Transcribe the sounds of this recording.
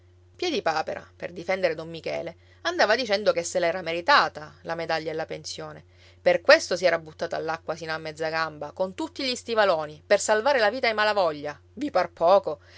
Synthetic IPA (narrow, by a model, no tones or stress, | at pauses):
pjɛd̪ipaːpeɾa̰pḛrd̪ifɛnd̪eɾed̪omːikɛ̰ːle | and̪aːvad̪it͡ʃɛnd̪okesːelɛːɾameɾit̪aːt̪alamed̪aʎːaelːapensjoːne | perkwest̪osiɛːɾabut̪ːaːt̪a̰lːakːwasiːnoamːɛd̪zːaɡambakont̪ut̪ːiʎist̪ivaloːnipersalvaːɾelaviːt̪aemalavɔʎːa | viparpɔːko